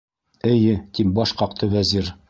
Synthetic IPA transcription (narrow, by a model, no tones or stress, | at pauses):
ɘ̆jɘt̪ip̚bɒʃqɑqt̪ʰɤwæziɾ